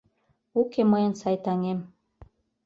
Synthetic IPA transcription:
ukemɤjə̆nsɑjt̪ɑŋem

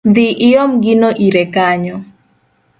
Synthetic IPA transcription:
d̪ɪʔɪomɡɪnoʔiɾɛkaɲɔ

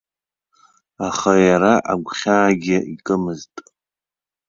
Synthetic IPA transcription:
aχajaɾaʔaɡʷχʲaːɡʲɪikʼɨmɨztʼ

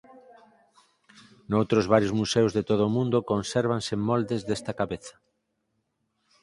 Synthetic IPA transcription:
nowt̪ɾozβaɾjozmusewzðet̪oð̞oːmũnd̪okõnseɾβansemːold̪ezðest̪akaβeθḁ

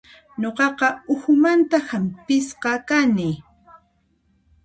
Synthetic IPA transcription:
ɲoqɑqɑʊhʊmant̪ahampɪsqɑkanɪ

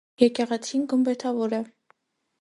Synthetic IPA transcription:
jɛkɛʁɛt͡sʰinɡəmbɛt̪ʰɑvɔɾɛ

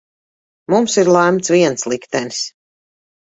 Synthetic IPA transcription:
mumsiɾlˠæmt̪sviɛnt̪slˠikt̪ɛnis

